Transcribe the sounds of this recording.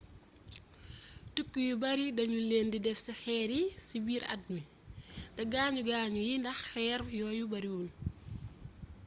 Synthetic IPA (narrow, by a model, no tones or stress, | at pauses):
tukːujubɐɾidɐɲuleːndidɛfsixɛːɾisibiːɾɐ̰d̚mi | d̥ɐɡaːɲuɡaːɲujindɐxxɛːɾjɔːjubɐɾiwul